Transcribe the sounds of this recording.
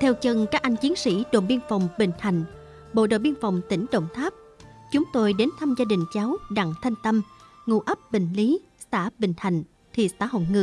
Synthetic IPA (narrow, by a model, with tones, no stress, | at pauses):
t̪ʰɛ˧wt͡ɕə˧nkaː˦˥k̚ʔa˧jŋ̟t͡ɕi˨˦ənsḭ˧˥ɗo̰˧˨˩ɓi˧ənfa˨˩wŋ͡mɓï˧˨˩ŋ̟ha˨˩jŋ̟ | ɓo̰˧˨ɗo̰˧˨ɓi˧ənfa˨˩wŋ͡mt̪ï˧˩ŋ̟ɗə̰˧˨wŋ͡mt̪ʰaː˦˥p̚ | t͡ɕʊ˨˦ŋ͡mt̪o˧jɗe˨˦nt̪ʰaː˧mzaː˧ɗï˨˩ŋ̟t͡ɕa˨˦wɗa̰˧˨ŋt̪ʰa˧jŋ̟t̪ə˧mŋṵ˧˩ʔə˦˥p̚ɓï˧˨˩ŋ̟li˨˦ | saː˧˩ɓï˧˩ŋ̟ha˨˩jŋ̟ | t̪ʰḭ˨˩saː˧˥ɦo̰˧˨ŋɨ̰˧˩˨